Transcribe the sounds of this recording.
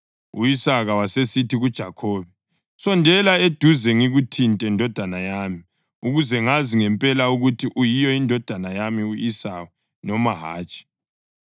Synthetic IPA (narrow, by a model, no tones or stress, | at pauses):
ṵisaɣawasesitʰiɣud̥ʒ̥ʱakʰoːβɛ | sɔndʱɛlaed̥ʱuzɛŋiɣutʰintʼɛndʱɔd̥ʱanajaːmi | uɣuzɛŋaziŋɛmpʼɛlauɣutʰiʔujijɔindʱɔd̥ʱanajamiuisawu | nɔmaɦa̰ːt͡ʃʼi̥